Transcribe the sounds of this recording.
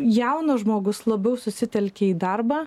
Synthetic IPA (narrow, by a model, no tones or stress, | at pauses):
jɛʊnɐʒmoːɡʊslˠɐbʲɛʊsʊsʲɪt̪ʲɛlʲkʲeiːd̪ɐɾbɑː